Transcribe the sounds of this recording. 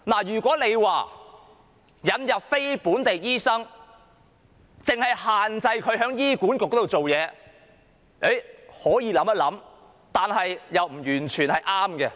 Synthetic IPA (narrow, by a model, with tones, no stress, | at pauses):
naː˨˩jyː˨˩kʷɔː˨˥ne˨˧jwaː˨ | jɐ˨˧njɐ˨p̚fe˥jpuː˨˥nt̪e˨jjiː˥sɐ˥ŋ | t͡sɪ˨ŋhɐ˨jhaː˨nt͡sɐ˧jkʰɵ˨˧ɥɦœː˨˥ŋjiː˥kuː˨˥nkʊ˨k̚ːɔː˨˥o˨wt͡so˨wjɛː˨˧ | e˨˥jhɔː˨˥jiː˧lɐ˨˥mɐ˥lɐ˨˥m | t̪aː˨nɦɐ˨jjɐ˨wm̩˨˩jyː˨˩nt͡ʃʰyː˨˩nhɐ˨jʔaː˥mɡɛ˧